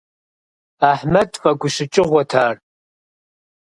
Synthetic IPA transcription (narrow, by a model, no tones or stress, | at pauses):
aħmɐdfɐɡʷʊɕɪt͡ʃʼɪʁʷɐtʰaːr